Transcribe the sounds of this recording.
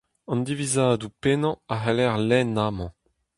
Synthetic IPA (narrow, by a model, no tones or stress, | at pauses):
ɑ̃nd̪ivizaːd̪upenɑ̃aɦɛlɛʁlɛnamɑ̃